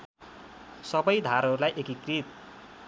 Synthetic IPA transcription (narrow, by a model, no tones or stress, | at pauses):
sʌbʌjd̪ʱaɾɦʌɾulajʔekikrit̪̚